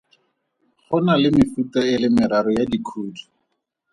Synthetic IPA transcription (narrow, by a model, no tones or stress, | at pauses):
χʊnalɪmɪfutaɪlɪmɪɾaɾɔjadikʰuːdi̥